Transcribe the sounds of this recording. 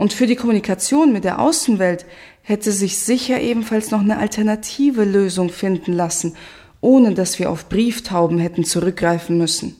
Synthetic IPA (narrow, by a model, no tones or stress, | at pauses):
ʔʊntfyːɐdiːkʰɔmunikʰat͡sjoːnmɪt̚d̥eːɐʔa̰ʊsn̩vɛlt | hɛtəzɪçz̥ɪçɐʔeːbm̩falsnɔχnəʔa̰ltʰɛɐnatʰiːvəløːzʊŋfɪndn̩lasn̩ | ʔoːnədasv̥iːɐʔaʊfb̥ʁiːftʰaʊbm̩ɦɛtn̩t͡suʁʏk̚ɡ̥ʁaɪfn̩mʏsn̩